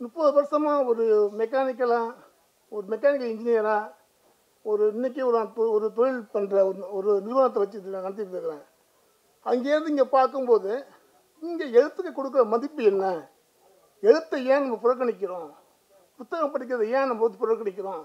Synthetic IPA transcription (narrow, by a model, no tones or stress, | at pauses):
mʊpːɐðɯʋɐɾsɐmaːɔɾɯmɛk̬ːaːnɪk̬ːɐlaː | ɔɾɯmɛkːaːnɪk̬ːɐlɪɲd͡ʒɪnɪjɐɾaː | ɔɾɯɪnːɪk̬ːɯɔɾːt̪ɔɾɯt̪ɔɻɪlpɐnrɐɔɾɯnɪɾɯʋɐnɐt̪ːɐʋɐt͡ʃːɯnãkɐnt̪̬ːɪɾɯkːɐɾɛ̃ː | ɐŋɡeːɾɐðɯɪŋɡeːpaːɾkɯmpoːðɯ | ɪŋɡeːɛɻɯt̪ːɯkːɯkɔɽɯk̬ːɾɐmɐðɪpːɯɛnːɐ | ɛɻɯt̪ːɐjẽːnɐmːɐpʊɾɐɾkːɐɳɪk̬ʲːɪɾõː | pʊt̪ːɐɣɐmpɐɽɪk̬ːɪɾɐðɐjẽːnɐmːɐpɐnːɯpʊɾɐɾkːɐɳɪk̬ʲːɪɾõː